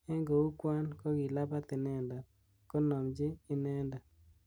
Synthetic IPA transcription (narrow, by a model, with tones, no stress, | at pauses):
ɛ˦ŋɡo˨u˦kwa˦nkɔ˦ɡi˨la˦pa˦t̪ɪ˨nɛ˦nda˨ | ko˦nɔ˨md͡ʒɪ˦ɪ˦nɛ˦nda˨